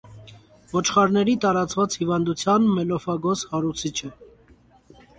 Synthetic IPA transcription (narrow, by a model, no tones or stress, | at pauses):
vɔt͡ʃʰχɑɾnɛɾit̪ɑɾɑt͡svɑt͡shivɑnd̪ut͡sʰjɑnmɛlɔfɑɡɔshɑɾut͡sʰit͡ʃʰə